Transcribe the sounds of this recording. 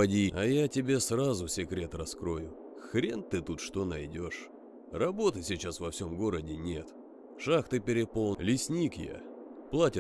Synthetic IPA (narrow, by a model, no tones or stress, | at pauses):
ɐdʲiɐ̰jatʲɪbʲe̞srazʊsʲɪkɾʲe̞t̪rɐskɾo̞jʊ | xɾʲent̪ɨt̪ut̪ʂt̪o̞nɐjdʲo̞ʂ | rɐbo̞t̪ɨsʲɪt͡ɕasvɐfsʲo̞mɡo̞ɾədʲɪnʲe̞t̪ | ʂaxt̪ɨpʲɪɾʲɪpolˠlʲɪsʲnʲikja̰plˠatʲɪ